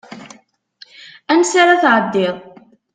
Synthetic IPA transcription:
ænsaɾaθʕəd̪ːɪðˤ

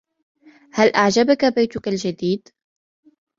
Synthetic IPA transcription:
halʔaʕd͡ʒabakabajt̪ʊkald͡ʒad̪iːd̪

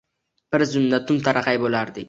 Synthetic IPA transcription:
b̥ɪɾzʊnːat̪ʊmt̪ʰaɾʔaqɑjbolaɾd̪ɪ

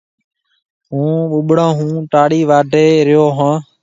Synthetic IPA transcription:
ɦũːɓʊɓɽãːɦũːʈaːɽiːʋaːɖʱeːɾɪjoːɦãː

